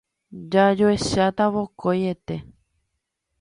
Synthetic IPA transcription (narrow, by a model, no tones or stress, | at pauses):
d͡ʒad͡ʒoeʃat̪aβokojet̪e̞